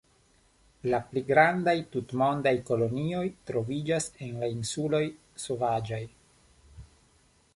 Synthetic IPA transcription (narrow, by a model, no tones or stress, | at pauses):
lapliɡɾandajtutmo̞ndajko̞lo̞nio̞jtɾo̞vid͡ʒasenlainsulo̞j | so̞vad͡ʒaj